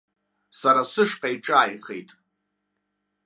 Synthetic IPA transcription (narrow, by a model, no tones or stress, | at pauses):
saɾasʷɨʂqʼajʈ͡ʂʼaːjχe̞̰jtʼ